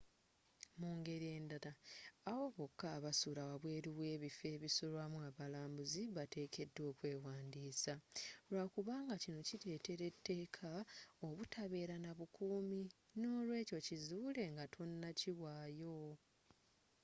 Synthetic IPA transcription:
muːŋɡe̞ɾie̞ːndaɾaawo̞βo̞kːaβasuɾawaβwe̞ːɾiβwe̞ːβife̞βisulwamuaβalaːmbuziβate̞ːkʰe̞dːwo̞ːkwe̞ːwaːndiːsaɾwakuβaːŋɡacinociɾe̞ːte̞ɾe̞tːe̞ːkʰao̞βutʰaβe̞ːɾanaβukuːmi | no̞ːlwe̞ːco̞cizuːle̞ŋɡatʰo̞nːaciwaːjo̞

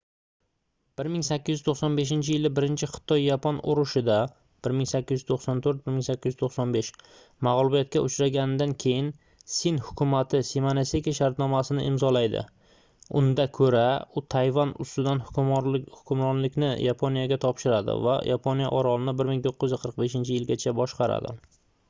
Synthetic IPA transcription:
b̥ɪɾmɪŋsakʲːɪzɪzt̪ʰoχsɒnbe̞ʃ̬ɪnt͡ʃʰɪjɪlɪbɪɾɪnt͡ʃʰɪχɨ̥t̪ʰɒjːapʰɒnʊ̰ɾʊʃɪd̪a | b̥ɪɾmɪŋsakʲːɪzɪzt̪ʰoqsɒnt̪ʰɵɾt̪̚bɪɾmɪŋsakʲːɪzzt̪ʰoqsɒnbe̞ʃ | maʁlˠʊbijat̪̚kʲaʔʊt͡ʃɾaɡʲanɪd̪ankʲʰe̞jɪn | sinhʊkʲʰʊmat̪ʰɪsemanesekʲiaʃaɾt̪nɒmasɪnɪʔɪmzɒlajd̪ɪ̰ | ʊnd̪akʰɵɾaʊt̪ʰajvanʊ̰st̪ɪd̪anhʊhʊkʲʰʊmɾɒnlɪkʲnɪjapʰonijaɡʲat̪ʰɒpʃɪɾad̪ɪ̰va̰jʔapʰonija̰ʔɒɾɒlɪnɪbɪɾmɪŋt̪ʰoqːɪjɪzqʰəɾɨq̚be̞ʃɪnt͡ʃʰɪjɪlɡʲat͡ʃʰabɒʃqɑɾa̰d̪ɪ̰

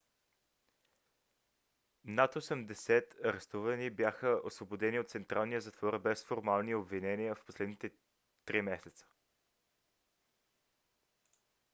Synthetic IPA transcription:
nat̪osəmd̪ɛsɛt̪ɐɾɛst̪uvənibjaxəʔosvobod̪ɛniot̪t̪sɛnt̪ɾalˠnijəzɐt̪vɔɾbɛsfoɾmalˠniobvinɛniəfposlɛd̪nit̪ɛ | t̪ɾimɛsɛt̪sə̥

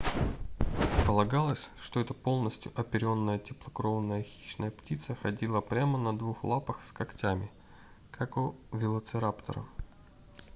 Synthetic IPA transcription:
pəlˠɐɡalˠəsʲʂt̪o̞ɛt̪əpo̞lˠnəsʲtʲjʊʔɐpʲɪɾʲo̞nːəjətʲɪplˠəkɾo̞vənːəjəxʲi̥ɕnəjəptʲit̪səxɐdʲilˠəpɾʲamənɐd̪vuxlˠapəxskɐktʲamʲɪ | kʰakʊvʲɪlˠət̪sɨɾapt̪ə̰ɾə̰

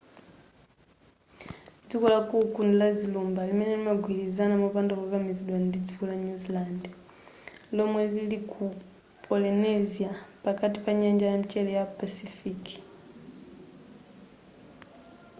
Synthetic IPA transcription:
d͡zikɔlakukundulad͡zilumbalimɛnɛlimaɡʱwilizanamupandɔkakamiziɗwandid͡zikɔlaɲuziland | lɔmwɛlilikʰu | pʰʼɔlinɛziapakatipaɲand͡ʒajamit͡ʃɛlɛjapasifiki̥

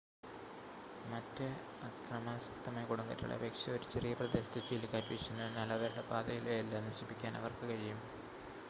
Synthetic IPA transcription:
mɐtːɨ | ɐkrɐmaːsɐk̚t̪ɐmɐkuɽɐŋɡɐ̰tːṵɭɐ̰beːkʂjɐoɾut͡ɕe̞rijɐprɐd̪est̪ɐt͡ɕːilikaːtʋiɕunːɐnɐlːɐʋɐɾuɽebaːd̪ɐjilejɐlːaːniʋɐɕipːikʲːaːnɐ̰ʋɐrkɨkɐɻijum

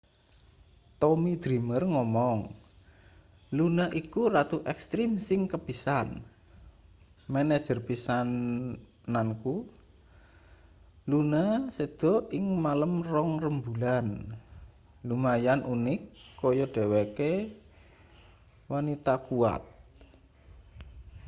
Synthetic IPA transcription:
t̪ɔmid̪̥ɾi̤mərŋɔmɔŋ | lunaʔikurat̪uʔɛkst̪ɾɪmsɪŋkəb̥i̤san | mɛnɛ̥d͡ʒ̥ərpisan | nanku | lunased̪̥ɔ̤ɪŋmaləmrɔŋrəmbulan | lumajanʔunɪkːɔjɔɖ̥e̤weke | wanit̪akua̰t̪̚

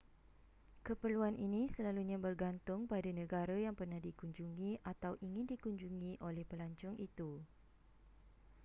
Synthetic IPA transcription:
kəpərluanʔinĩsəlaluɲãbərɡant̪ʊŋpadanə̃ɡaɾajaŋpərnahdikuɲd͡ʒuŋĩat̪awʔiŋɪ̃ndikuɲd͡ʒuŋĩʔolɛhpəlaɲt͡ʃʊŋʔit̪u

